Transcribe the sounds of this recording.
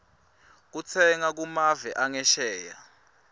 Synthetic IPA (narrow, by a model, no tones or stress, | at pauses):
k̬ut͡sʰɛŋak̬umavɛʔaŋɛʃɛːja